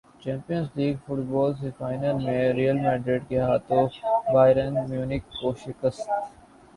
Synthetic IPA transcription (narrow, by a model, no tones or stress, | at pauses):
t͡ʃɛ̃ːmpijə̃nsliːɡfʊʈbɔːlsefaːɪnəlmẽɾijəlmɛ̃ːɖɾeːʈkeɦaːt̪õbaːɪɾənmjuːnɪkːoʃɪkəst̪